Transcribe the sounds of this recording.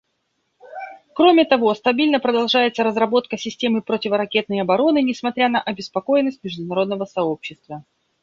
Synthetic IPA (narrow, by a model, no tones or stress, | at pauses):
kɾo̞mʲɪt̪ɐvo̞st̪ɐbʲilʲnəpɾəd̪ɐlˠʐajɪt̪səɾəzɾɐbo̞t̪kəsʲɪsʲtʲe̞mɨpɾotʲɪvəɾɐkʲe̞t̪̚nəjɐbɐɾo̞nɨnʲɪsmɐt̪ɾʲanəʔɐbʲɪspɐko̞jɪnːəsʲtʲmʲɪʐd̪ʊnɐɾo̞d̪̚nəvəsɐo̞pɕːɪst̪və